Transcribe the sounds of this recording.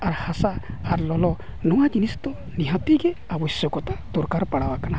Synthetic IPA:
aɾhasaaɾlɔlɔnɔŋad͡ʒinisɔ̥t̪ɔ | niɦãt̪iɡɛabɔsjɔkɔt̪ad̪ɔɾkaɾpaɽawakana

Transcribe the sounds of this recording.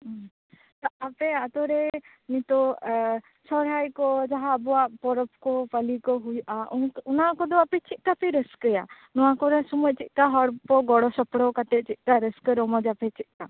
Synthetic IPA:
t̪ɔapeat̪ɔɾe | nit̪ɔ | sɔɾɦajkɔd͡ʒaɦaːbɔaʔpɔɾɔpkɔpəlikɔɦujʔaʔunkunakɔd̪ɔapɛt͡ʃit̪̚kapiɾəskəja̰ | nɔwakɔɾasumɔjt͡ʃit̪̚kaɦɔɾpɔɡɔɽɔsɔpɽɔkat̪eʔt͡ʃit̪̚kaɾəskəɾɔmɔd͡ʒapɛt͡ʃit̪̚ka

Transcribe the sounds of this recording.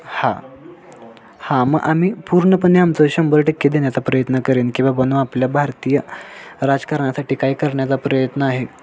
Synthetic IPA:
ha | hãməɡʔam̤iːpuɾɳəpənːiamt͡səɕəmbəlʈəkːed̪eɳjat͡sapɾəjət̪nəkəɾiːnkĩw̃ʋabənuapljabʱaɾt̪ijəɾad͡zkəɾɳasaʈikaiːkəɾɳjat͡sapɾəjət̪nəaɦe

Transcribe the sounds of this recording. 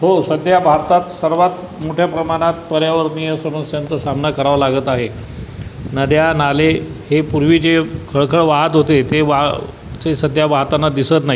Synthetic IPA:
ɦosəd̪ʱjabʱaɾt̪at̪səɾʋat̪ | moʈʰjapɾəmaɽ̃at̪pəɾjaʋəɾnijəsəməsjant͡səsamnakəɾaʋəlaɡət̪aɦe | nəd̪janalehepuɾʋiːd͡zekʰəɭkʰəɭʋaɦət̪ɦot̪et̪eʋa | t͡sesəd̪ʱjabaɦt̪anːad̪isət̪naɦi

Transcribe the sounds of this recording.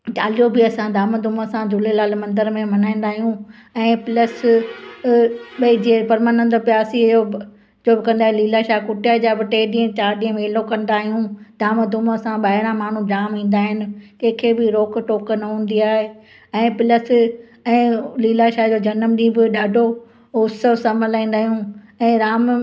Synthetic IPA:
d͡ʑaːlijobɪɐsãd̪ʱaːməd̪ʱʊmsãd̪ʱʊlelaːlmɐ̃nd̪əɾmẽmɐnaːĩːn̆d̪aːɦijũ | ɛ̃ːpɪləs | ɓɐid͡ʑepɐɾmanə̃nd̪pjaːsiɐjo | d͡ʑoːbɪkɐ̃nd̪aːɦeliːlaʃaːɦkʊʈʰijad͡ʑaːbɪʈeːɗĩːə̃t͡ɕaːɾɗĩə̃meːlokɐ̃nd̪aːɦijũd̪ʱaːməd̪ʱʊmsãɓaːɦɪɾ̃ãmaːɳ̤ũd͡ʒaːmĩːn̆d̪aːɦɪnɪ̆kẽːkʰeːbɪɾoːkʈoːknɐɦũːn̆d̪iaːɦe | ɛ̃ːpɪləs | ɛ̃ːliːlaʃaːd͡ʑoːd͡ʑɐnəmɗĩːbɪɗaːɖʱo | ʊsəʋsɐ̃məlaːĩːn̆d̪aːɦijũ | ɛ̃ːɾaːm

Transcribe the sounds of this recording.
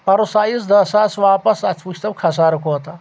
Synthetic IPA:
pɐɾosaːjisd̪ɐsaːsʋaːpɐsɐt̪ʰpuʃʰʲt̪ɐbkʰɐs̬aːɾɐkot̪a

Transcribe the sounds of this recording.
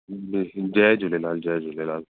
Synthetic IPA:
ed͡ʒɛd͡ʒolɛlald͡ʒɛd͡ʒolɛlal

